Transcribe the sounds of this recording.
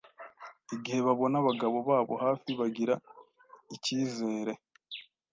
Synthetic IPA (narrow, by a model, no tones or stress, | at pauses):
iɡihe̞βaβo̞naβaɡaβo̞βaːβo̞haːfiβaɡiɾa | iciːze̞ːɾe̞